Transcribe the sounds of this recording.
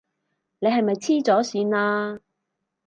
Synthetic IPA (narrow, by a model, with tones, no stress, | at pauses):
ne˨˧jɦɐ˨jmɐ˨jt͡sʰiː˥t͡sɔː˨˥siː˨˧nlaː˧